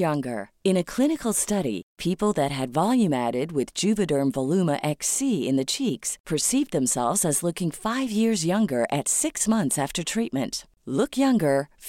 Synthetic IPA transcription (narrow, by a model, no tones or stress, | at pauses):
ʌ̃ŋɡə̰˞ | ɨ̃ñɨkʰl̥ɪ̃ñɨkl̩ˠstʌɾḭpʰipl̩ˠðɨt̚ɦɨdvɑlˠjʉ̃mæɾɪd̚wɪðd͡ʒʉvɨdə˞mvəlʉməʔɛksiɪ̰̃nðɨt͡ʃʰikspʰə˞sivd̪̚ðɨ̃msɛlˠvzɨzlʊkɪ̃ŋfaɪvjɪɹzjʌ̃ŋɡə˞ʔɨtsɪksmʌ̃nθsæftə˞tʰɹ̥it̚mɨ̃nt | lʊkʰjʌ̃ŋɡə˞